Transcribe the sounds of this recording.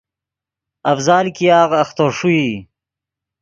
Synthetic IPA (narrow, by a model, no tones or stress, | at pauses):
ɐfzɑːlkijɑːɣɐxt̪oɾʂui